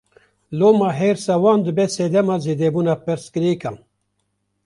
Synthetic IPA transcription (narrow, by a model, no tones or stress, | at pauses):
loːmɑːɦeːɾsɛwɑːnd̪ɨbɛːseːd̪ɛmɑːzeːd̪eːbuːnɑːpɨɾskɨɾiːkɑːn